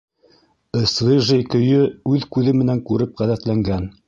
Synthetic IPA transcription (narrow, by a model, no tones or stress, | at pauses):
ɤ̆siʒikɵ̆jɵʉðkʉðɘmɘ̆næŋkʉɾɘp̚ʁæðæt̪læŋɡæn